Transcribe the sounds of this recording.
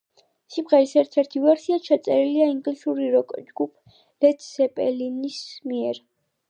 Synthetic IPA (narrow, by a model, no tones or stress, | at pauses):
sibʁɛlisɛɾt̪ʰɛɾt̪ʰivɛɾsiat͡ʃʰat̪sʼɛɾiliaiŋɡlisuɾiɾɔkʼd͡ʒɡupʰ | lɛt̪ʰsɛpʼɛlinismiɛɾ